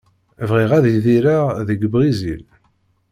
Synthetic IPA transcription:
vʁiʁæðjðiɾaðəɡbʁizil

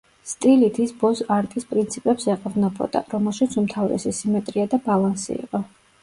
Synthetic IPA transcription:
st̪ʼilit̪ʰisbɔsaɾt̪ʼispʼɾint̪sʰipʼɛpsɛqʼɔvnɛbɔ̰d̪a̰ɾɔmɛlˠʃit̪sʰumt̪ʰavɾɛ̰sisimɛt̪ʼɾiad̪abalˠansḭḭqʼɔ

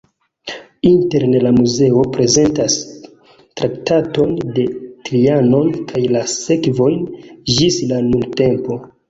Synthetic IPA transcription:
inte̞ɾnelamuze̞o̞pɾe̞ze̞ntas | tɾʔaktato̞nde̞tɾiano̞nkʰajlase̞kvo̞jnd͡ʒislanulte̞mpo̞

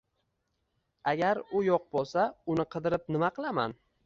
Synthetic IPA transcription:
aɡʲaɾʊjoq̚bolˠsaʊnɪqʰɨd̪ɪɾɪp̚nɪmaqʰɨlˠama̰n

